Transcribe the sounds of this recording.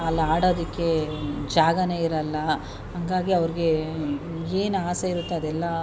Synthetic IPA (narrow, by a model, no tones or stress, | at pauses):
ɐlːaːɽoːd̪ikːe̞d͡ʒaːɡɐne̞ːiɾɐlːɐ | ɦɐŋɡaːɡiɐʋɐɾiɡe̞ | eːnaːsɐiɾut̪ːeɐd̪ɛlːɐ